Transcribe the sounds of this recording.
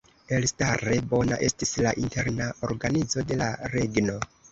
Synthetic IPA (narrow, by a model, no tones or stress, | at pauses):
e̞lstaɾe̞bo̞na̰ʔe̞stislaʔinte̞ɾnao̞ɾɡanizo̞de̞laɾe̞ɡno̞